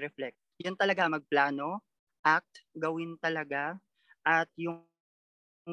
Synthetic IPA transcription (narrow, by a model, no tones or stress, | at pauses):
ɾɛflɛk̚sjʊnt̪ɐlɐɡamɐɡ̚plaːno̞ | ʔak̚t̪ɡɐwɪnt̪ɐlɐɡa | ʔɐt̪̚jʊ